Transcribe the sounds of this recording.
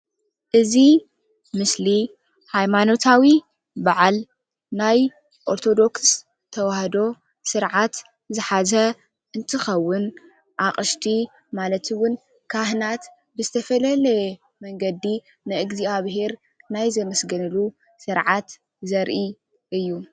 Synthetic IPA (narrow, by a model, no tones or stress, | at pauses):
ʔɨzi | mɨsli | hajmano̞t̪ʰawi | baʕal | naj | ʔo̞ɾt̪ʰo̞d̪o̞ks | t̪ʰɐwahd̪o̞ | sɨɾʕat̪ | zɨħazɐ | ʔɨnt̪ʰɨxɐwːʊn | ʔaχʼɨʃt̪ʰi | malɐt̪ʰɨwʊn | kʰahnat̪ | bɨzɨt̪ʰɐfɐlɐlɐ | mɐŋɡɐd̪i | nɨʔɨɡziaβɦeɾ | najzɐmɐsɡɐnɨlu | sɨɾʕat̪ | zɐɾʔi | ʔɨjːu